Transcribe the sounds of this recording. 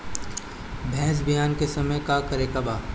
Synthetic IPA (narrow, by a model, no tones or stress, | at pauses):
bʱɛːs̬bijaːnkesɐməjkakɐɾekɐbaː